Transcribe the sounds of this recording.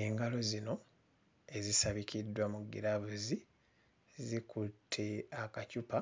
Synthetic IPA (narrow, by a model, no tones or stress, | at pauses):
e̞ŋɡalo̞zino̞ | e̞zisaβikidːwamuɡḭɾaβuzi | zikutʰːeakacupa